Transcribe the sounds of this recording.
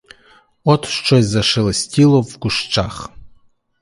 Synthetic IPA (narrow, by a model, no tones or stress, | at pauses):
otʰʂʈ͡ʂʷʰojzaʂɨlstʲilovɡʷʊʂʈ͡ʂʰaχ